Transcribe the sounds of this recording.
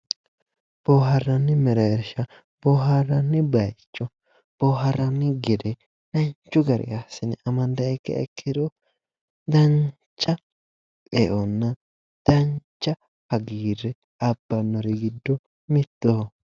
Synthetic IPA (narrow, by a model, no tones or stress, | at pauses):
b̥oːɦɐɾːɐnːɪmɛɾɐɛɾʃɐ | b̥ɔɦɐɾɐnːɪbɐjt͡ʃːɔ | b̥ɔɦɐɾɐnːɪɡɪd̪ɛ | nɐɲt͡ʃːʊɡɐɾɪ̰jasɪnɪʔɐmɐnd̪ɐɛkːɐ̰ɛ̰kʰːɪd̪ɔ | d̪ɐn | t͡ʃʼːɐ | ʔɛʔɔnːɐ | d̪̥ɐnt͡ʃːɐ | hɐɡiːɾɛ | ɐbːɐnːɔɾɛɡɪd̪ːɔ | mɪt̪ːo